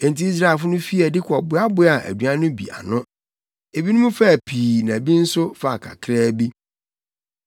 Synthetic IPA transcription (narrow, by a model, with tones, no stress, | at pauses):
ẽ˨n˨ti˨˦i˦s̬ɾa˦˨e˨fʊ˦nʊ̃˦fi˦ɛ˨dɪ˦kʷʰɔ˨bʊ˦a˦bʊ˨˦a˨ʔæ̰˨du˨ã˦nʊ̃˦bḭ˨a̰˨nʊ̃˦ | e˨bi˦nʊ̃˦mũ˦fa˦˨pʰiː˨nã˨bi˦n̩˦sʊ˦fa˨kʰa̰˨kʰɾɛː˦bi˦